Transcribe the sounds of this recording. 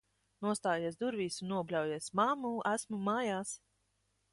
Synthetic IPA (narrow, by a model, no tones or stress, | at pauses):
nuɔst̪aːjeɛsd̪uɾviːsunːuɔblʲawjeɛsmamuːʔæsmumaːjaːs